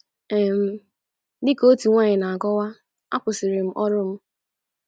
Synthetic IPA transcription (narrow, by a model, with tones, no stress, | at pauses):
e˨m̩˦ | dɪ˦ko˦ti˨ŋʷa˦ɲɪ˨na˨a˨ɡɔ˦wa˦ | a̰˦kʷʊ˨sɪ˨ɾɪ˨m̩˦ʔɔ˦ɾʊ˦m̩˦